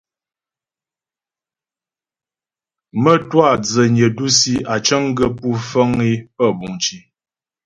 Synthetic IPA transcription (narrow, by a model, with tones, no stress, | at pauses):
mə˦twa˦˨d͡zə˨ɲə˨du˦si˦a˨t͡ʃə˦ŋ˦ɡə˦pu˦fə˦ŋi˦pə˦˨bu˨ŋt͡ʃi˨